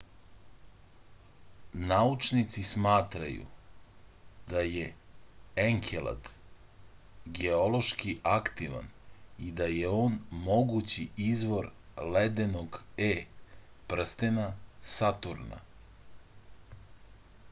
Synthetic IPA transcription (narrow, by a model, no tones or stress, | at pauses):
naut͡ʂnit̪sismaːt̪ɾa̰jṵ | d̪aje | eŋkʰelˠa̰d̪ | ɡeolˠo̞ʃkiʔakt̪iʋa̰nid̪ajeo̞ːnmo̞ɡut͡ɕiʔizʋo̞ɾled̪eno̞ɡeː | pr̩st̪enasat̪uɾna̰